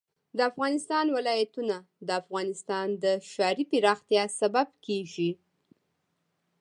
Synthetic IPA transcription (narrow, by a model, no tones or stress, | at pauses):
d̪əafɣɑnɪst̪ɑnwɪlɑjat̪una | d̪əafɣɑnɪst̪ɑnd̪əʃɑɾipɪɾɑxt̪jɑsababkeʒi